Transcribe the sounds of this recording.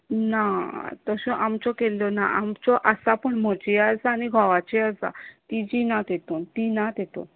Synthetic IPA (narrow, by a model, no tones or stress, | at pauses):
nat̪ɔɕɔ̃ʔamt͡sɔkelːɔna̰ʔa̰mt͡ɕɔʔəsapəɳm̤ɔt͡ɕiad͡zaːñiɡʱɔʋat͡ɕiad͡za̰t̪id͡ʑinat̪et̪ont̪inat̪et̪o̰n